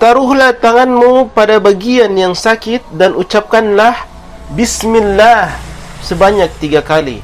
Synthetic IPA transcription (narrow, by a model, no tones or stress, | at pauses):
t̪aɾʊɦlaht̪aŋanmupadabaɡianjaŋsakɪt̪̚danut͡ʃap̚kanlah | bismɪlːah | səbaɲak̚t̪iɡakalḭ